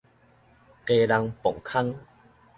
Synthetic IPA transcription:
ke˧la˧ŋpɔ˨˩ŋkʰa˦ŋ

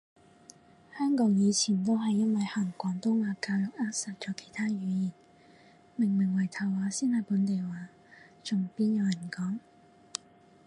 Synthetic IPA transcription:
hœː˥ŋkɔː˨˥ŋjiː˨˧t͡sʰiː˨˩nt̪o˥wɦɐ˨jːɐ˥nwɐ˨jhɐ˨˩ŋkʷɔː˨˥nt̪ʊ˥ŋaː˨˧kaː˧lʊ˨˥k̚aː˥sɐ˨˩t̚t͡ʃɔː˨˧kʰe˨˩jt̪ʰaː˥jyː˨˧jiː˨˩n | mɪ˨˩ŋmɪ˨˩ŋwɐ˨˩jt̪ʰɐ˨˩waː˨˧˥siː˥nhɐ˨jpuː˨˥nt̪e˨jwaː˨˧ | t͡sʊ˨˩ŋpiː˥njɐ˨˧wjɐ˨˩nkɔː˨˥ŋ

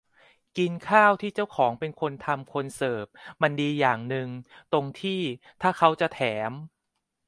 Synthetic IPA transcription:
ki˧nkʰaː˥˩wt̪ʰiː˥˩t͡ɕa˥˩wkʰɔː˩˦ŋpe˧nkʰo˧nt̪ʰa˧mkʰo˧nsɤː˨˩p̚ma˧ndiː˧jaː˨˩ŋnɯ˧ŋt̪o˧ŋt̪ʰiː˥˩ | t̪ʰaː˥˩kʰa˦˥wt͡ɕa˨˩t̪ʰɛː˩˦m

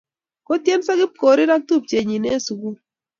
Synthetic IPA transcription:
ko˦tje˦nsa˦kɪ˦p̚ko˨ɾɪ˦ɾa˦k̚tu˦˨p̚t͡ʃe˨ɲi˨ne˦˨su˨ɡu˦

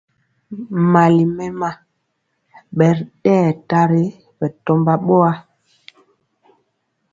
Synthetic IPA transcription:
ma˨li˨mɛ˦ma˦ | ɓɛ˨ɾɗɛː˦˨ta˦ɾe˦ | ɓɛ˨tɔ˦mba˦ɓɔ˦a˦

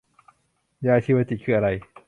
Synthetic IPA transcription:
jaː˧tʰiː˧wa˧˩t̪i˨˩kʰɯː˧˩a˧ɾa˧j

